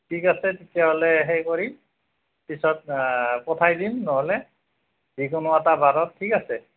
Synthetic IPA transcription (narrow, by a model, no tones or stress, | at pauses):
tʰikasɛtetijaɦolɛɦejkɔɹim | pisɔt̚pɔtʰajdimnɔɦɔlɛ | zikʊnʊatabaɾɔtʰːikasɛ